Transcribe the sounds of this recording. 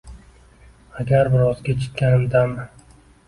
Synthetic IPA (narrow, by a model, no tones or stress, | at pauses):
aɡʲaɾbɪɾɒzɡʲat͡ʃʰɪ̥t̪̚ʲkʲanɪmd̪am